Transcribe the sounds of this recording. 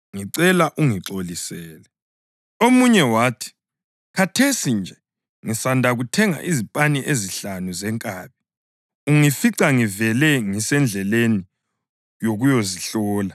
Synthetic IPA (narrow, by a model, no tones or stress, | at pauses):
ŋiǀɛlaʔuŋiǁolisɛːlɛ | omuɲɛwaːtʰi̥ | kʰatʰesind͡ʒʱɛ | ŋisandʱaɣutʰɛŋa̰ʔizipʼaniʔeziɬanuzɛŋkʼaːβi | uŋifiǀaŋivɛlɛŋisɛnd͡ɮʱɛleni | joɣujoziɬɔːla